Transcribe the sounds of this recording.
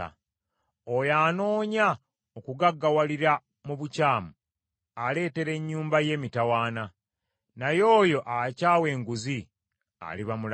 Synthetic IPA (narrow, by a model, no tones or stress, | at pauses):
a̰ | ojaːno̞ːɲa | okuɡaɡːawaliɾa | muβucaːmu | ale̞ːte̞ɾe̞ɲːuːmbaje̞ːmitawaːna | najo̞ːjo̞ʔacaːwe̞ːŋɡuzi | a̰liβamul